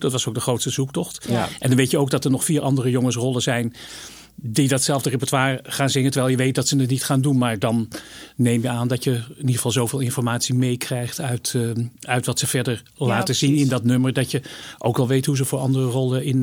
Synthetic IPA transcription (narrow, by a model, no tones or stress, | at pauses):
dɑtʋɑsowk̚dəχrowtstəzuk̚tɔχtʔɛndɑnʋejtjəowkɡdɑtəɹnɔχfiːɹʔɑndərəjɔŋəs̬rɔlˠəzɛjn | didɑtsɛlˠvdərəpəɹtaːɹχaːnzɪŋəntəɹʋɛjlˠjəʋejt̚dɑtsənətnitχaːndunmaːɹdɑnː | ejmjəaːndɑcjəɪniəəvɑlˠzowveːlˠɪnfɔɹmaːtsimejkrɛjχtœɥtœɥtʋɑtsəv̥ɛɹdəɹ | laːtəzinɪndɑtnɵməɹdɑtjəʔo̰wkɑlˠʋejtɦuzəvʊːɹɑ̰ndərərɔlˠəɪn